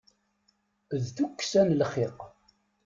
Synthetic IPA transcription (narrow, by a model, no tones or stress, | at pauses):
ðθukːsænlχɪq